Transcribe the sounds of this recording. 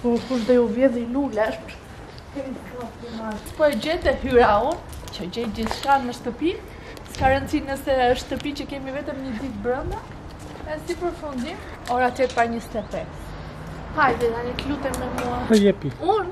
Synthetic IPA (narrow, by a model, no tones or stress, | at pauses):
pɔfund̪ɛuvjɛðilulɛʃp | kɛmisɔt̪imaɾpɔɛd͡ʑɛt̪ɛhyɾaun | t͡ʃəd͡ʑɛjd̪iθʃkanəʃt̪əpi | skaɾɛnt͡sinəsɛəʃt̪əpit͡ɕəkɛmivɛt̪əmɲəd̪it̪̚bɾənd̪a | ɛsipəɾfund̪im | ɔɾat̪ɛpaɲəst̪ɛpɛs | hajðɛd̪anik̪lut̪ɛmɛmuaəjɛpiuɾ